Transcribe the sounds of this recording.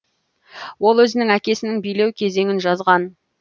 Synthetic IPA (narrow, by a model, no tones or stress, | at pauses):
wo̞lˠwɵzɪnɪŋækʲe̞sɪnɪŋbijle̞wkʲʰe̞ze̞ŋɪnʒɑzʁɑn